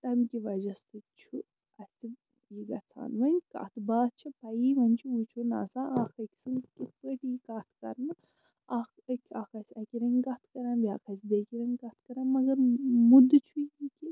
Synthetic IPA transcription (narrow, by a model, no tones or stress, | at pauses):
t̪ɐmʲkʲiʋɐd͡ʒɐsɨt͡ʃʰu | ɐsʲi | iːɡɐt͡sʰa̰ːnʋɐnʲkɐ̰t̪ʰbaːt͡ʃʰɐpɐiːʋɐnʲt͡ʃʰiut͡ʃʰuna̰ːsaːʔakɐkʲsɨnkʲit̪ʰəʈikɐt̪ʰkɐ̰ɾnɨ | akɐkʲʰɐkɐsʲɐkʲiɾɐŋɡkɐt̪ʰkɐɾɐnbʲaːkʰɐsʲd̪eːkʲiɾɐŋkɐt̪ʰkɐɾɐnmɐɡɐɾmud̪ɨt͡ʃʰujiːkʲi